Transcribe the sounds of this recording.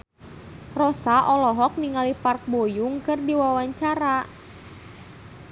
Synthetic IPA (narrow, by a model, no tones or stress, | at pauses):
rɔsaʔɔlɔɦɔk̚niŋalipark̚bojuŋkɨrdiwawaɲt͡ʃaɾa